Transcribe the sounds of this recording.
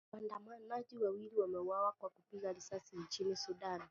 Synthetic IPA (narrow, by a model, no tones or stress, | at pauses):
wandamamaʄiwawiliwamɛuwawakwakupiɣaɾisasiɲt͡ʃinisuɗan